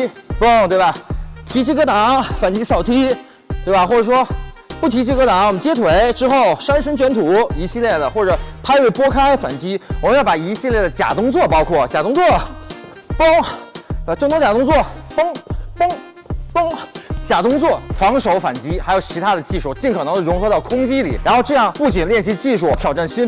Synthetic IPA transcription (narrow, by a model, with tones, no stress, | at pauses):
pə˥ŋt̪we˥˩ɪbɐ˨˩t̪ʰi˧˥t͡ɕʰi˧˥kɤ˥t̪ɑ˧˥˦ŋfa˨˩nt͡ɕi˥sɑ˨˩ʊt̪ʰi˥ | t̪we˥˩ɪbɐ˨˩xwɔ˥˩ʈ͡ʂɤ˨˩ʂwɔ˥pu˥˩t̪ʰi˧˥t͡ɕi˥kɤ˧˥t̪ɑ˨˧˥ŋwɔ˨˩mə˦nt͡ɕjɛ˥t̪ʰwe˧˥ɪʈ͡ʂɻ̩˥xo˥˩ʊʂa˥nʂə˥ŋt͡ɕɥɛ˧˥nt̪ʰu˨˧˩i˧˥ɕi˥˧ljɛ˥˩d̪ə˩xwɔ˥˩ʈ͡ʂɤ˨˩˦pʰa˥ɪwe˥˩pwɔ˥kʰa˥ɪfa̰˨˩nt͡ɕi˥wɔ˨˩mə˦njɑ˥˩pa˨˩i˧˥ɕi˥˧ljɛ˥˩d̪ə˩t͡ɕja̰˨˩t̪ʊ˥ŋt͡swɔ˥˩pɑ˥ʊkʰwɔ˥˩t͡ɕja˨˩t̪ʊ˥ŋt͡swɔ˥˩ | pɤ˥ŋ˧˩ | ʈ͡ʂɤ˥˩ŋt̪ʊ˥t͡ɕja˨˩t̪ʊ˥ŋt͡swɔ˥˩pɤ˥ŋpɤ˥ŋ | pɤ˥ŋt͡ɕja˨˩t̪ʊ˥ŋt͡swɔ˥˩fɑ˧˥ŋʂo˧˥ʊfa̰˨˩nt͡ɕi˧˥xa˧˥ɪjo˨˩ʊt͡ɕʰi˧˥t̪ʰa˥d̪ə˨t͡ɕi˥˧ʂu˥˩t͡ɕi˥˩nkʰɤ˨˩nɤ˧˥ŋd̪ə˩ɻʊ˧˥ŋxɤ˧˥ɾɑ˥˩ʊkʰʊ˥ŋt͡ɕi˥lḭ˨˩˦ɻa˧˥nxo˥˧ʊʈ͡ʂɤ˥˧jɑ˥˧ŋpu˥˩t͡ɕi˨˩ŋljɛ˥˧nɕ̬i˧˥t͡ɕi˥˧ʂu˥˩t̪ʰjɑ˨˩ʊʈ͡ʂa˥˩nɕi˥n